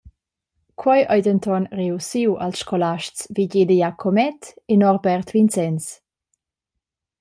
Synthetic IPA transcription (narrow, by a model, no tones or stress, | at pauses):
kʰwɔjʔɔjdənt̪ʰɔnreusiwʔa̰lsʃkʰɔlaʃt͡sviɟedəjakʰomɛt̪enɔrbɛrt̪vint͡sɛns